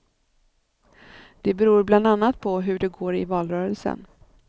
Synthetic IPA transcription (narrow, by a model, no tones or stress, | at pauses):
d̪̥ɛbɛɾuːɾbland̪anːat̪̚pʰɔɦɵɖɛɡoːɾɪ̰vɑːlɾœːɾəlsə̰n